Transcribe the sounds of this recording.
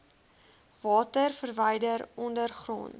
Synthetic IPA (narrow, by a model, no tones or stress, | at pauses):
vɑːtərfərvəjdəɾɔndərχrɔ̰nt